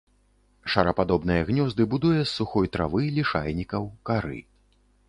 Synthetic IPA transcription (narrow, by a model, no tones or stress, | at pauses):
ʂɐɾɐpad̪ɔbn̪ɨjɛɣnʲɔzd̪ɨbud̪ujɛsːuxɔjt̪ɾa̰vɨlʲiʂa̰lʲnʲikɐwkaɾɨ̰